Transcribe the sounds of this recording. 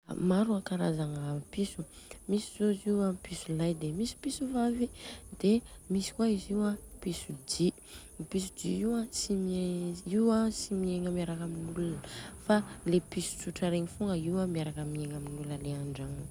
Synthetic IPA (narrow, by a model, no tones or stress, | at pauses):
maɾuakaɾazaŋəpisu̥misizoiziwapisulajd̪emisi̥pisuvavid̪̥emisi̥kwaiziwapisud͡ʒi | pisud͡ʒiiwãsimeiwasimieŋəmiaɾakaminulnfalepisu̥t͡suʈ͡ʂaɾeɲifuŋɡəiwamiaɾakəmieŋaminulnəleaɳɖ͡ʐaŋ